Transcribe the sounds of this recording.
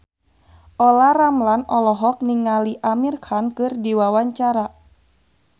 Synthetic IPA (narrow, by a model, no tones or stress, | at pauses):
ʔɔlaramlanɔlɔɦɔk̚niŋaliʔamirkankɨrdiwawaɲt͡ʃaɾa